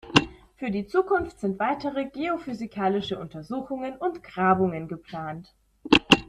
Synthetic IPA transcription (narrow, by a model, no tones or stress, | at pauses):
fyːɐdiːt͡suːkʰʊnftz̥ɪntv̥aɪtəʁəɡeofyzikʰaːlɪʃəʔʊntɐzuːxʊŋənʊntɡ̥ʁaːbʊŋənɡəpl̥aːnt